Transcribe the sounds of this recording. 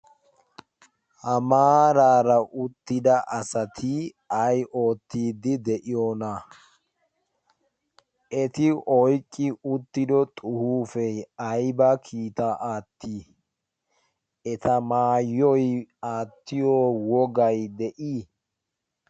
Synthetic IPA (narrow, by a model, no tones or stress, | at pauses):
ʔɐmaːɾaːɾɐʔʊt̪ːɪd̪ɐʔɐsɐt̪ʰi | ɐjʔo̞ːt̪ːiːd̪ɪd̪ɛʔɪjoːna | ʔɛt̪ɪʔɔjkʼːɪʊt̪ːɪd̪ɔt̪ʼʊhuːfɛɐjbɐkʰiːt̪aʔaːt̪ːiː | ɛt̪ʰɐmaːjːɔjaːt̪ːɪjoːwɔɡɐjd̪ɛʔiː